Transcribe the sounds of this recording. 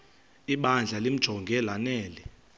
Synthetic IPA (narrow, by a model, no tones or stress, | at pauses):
iɓand͡ɮʱalim̩d̥ʒ̥ʱɔŋɡʱɛlanɛːlɛ